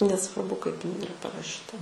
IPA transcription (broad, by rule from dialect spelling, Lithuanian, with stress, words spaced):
nʲɛsʋɐrˈbʊ kɐɪp ɪˈnɐɪ ɪˈrɐ pɐrɐˈʃʲiːtɐ